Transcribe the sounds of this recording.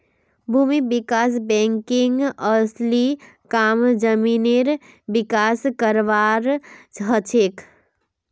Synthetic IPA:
bʱuːmibikaːs̬bɛ̃ŋkɪŋɡəsli | kaːmd͡ʒəmineɾ | bɪkaskəɾʋaɾɦət͡ʃʰek

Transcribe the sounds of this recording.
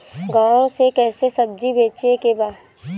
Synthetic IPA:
ɡãːɾõsekɛːsesɐb̚d͡ʒibʱeːt͡ʃekebaːd̪

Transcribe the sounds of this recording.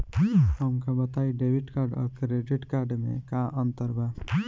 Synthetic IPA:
ɦəmkabət̪aiɖeʋɪʈkaɾɖɔ̰ɾkɾeɖiʈkaɾɖmḛ̃kãʔə̃nt̪əɾba

